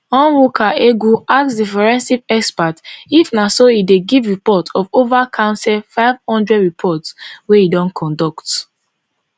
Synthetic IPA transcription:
ɔ̃nwokʰaʔeɡuaksdifɛɹɛ̃nsivɛkspatifnasoideɡivɹipɔtʰɔvovakʰãʊ̃nsɛlfaɪv̥hɔ̃ndɹɛdɹipʰɔtsweidɔ̃nkʰɔ̃ndɔkt

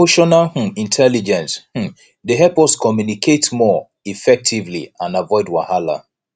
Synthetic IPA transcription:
oʃɔnah̩ĩntʰɛlid͡ʒɛ̃nsh̩ | deɦɛlpɔskɔmjunikʰetmɔ | ifɛk̚tʰivlḭãnavɔɪdwa̰hala̰

